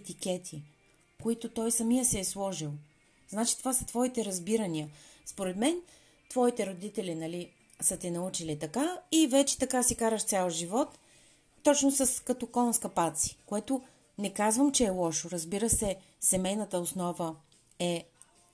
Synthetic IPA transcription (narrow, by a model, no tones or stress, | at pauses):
t̪ikʲɛt̪ʰi | koit̪ot̪ɔjsɐmijəsɛːslˠɔʒilˠ | znat͡ʃi̥t̪ovasɐ̥t̪vɔit̪ɛɾɐzbiɾɐniəspoɾɛt̪mɛn | t̪vɔit̪ɛɾod̪it̪ɛlinɐli | sət̪ɛnɐut͡ʃilit̪ɐkaivɛt͡ʃɛ̥t̪ɐkasikaɾəʃt̪sʲalˠʒivɔt̪ː | ɔt͡ʃnʊsɐskɐt̪okɔlˠnskɐpat̪si̥koɛt̪ʊ | nɛkazvəmt͡ʃɛːlˠɔʃoɾɐzbiɾəsɛ | sɛmɛjnət̪əʊsnɔvə | ɛ